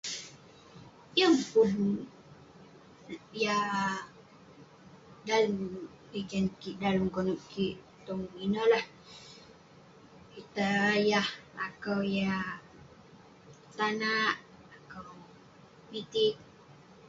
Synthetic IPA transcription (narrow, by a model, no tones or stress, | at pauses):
jəŋpun | ja | dalum | wikankiʔdalumkonuʔkiʔ | t̪ɔŋinəlah | kit̪ajaha̰kawja | t̪anaʔ | akəw | mit̪ik̚